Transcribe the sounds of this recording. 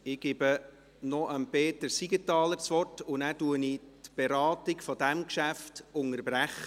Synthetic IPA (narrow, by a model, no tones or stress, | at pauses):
ɪɡ̥ɪbə | nɔʔənpeːtəɾsiɡətɑːləɾsʋɔrtʊnæːtuənitb̥eɾɑːtɪkfɔd̪æmkʃæftʊŋəɾbɾæχə